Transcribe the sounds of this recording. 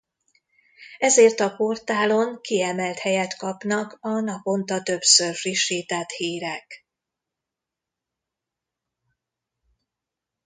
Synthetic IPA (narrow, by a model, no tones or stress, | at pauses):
ɛzeːrt̪ɒpo̞rt̪aːlo̞ŋkiɛmɛlt̪hɛjɛt̪kɒpnɒkɒnɒpo̞nt̪ɒt̪ø̞bsørfriʃːiːt̪ɛt̪hiːɾɛk